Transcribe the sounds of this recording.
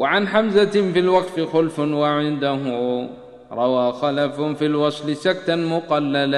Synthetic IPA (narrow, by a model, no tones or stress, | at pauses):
wʕanħamzafilwɑɡfɪxʊlfwaʕɪnd̪aɦʊ | ɾˤɑwaːxalaffilwɑsˤlɪsak̚t̪anmʊqɑlːala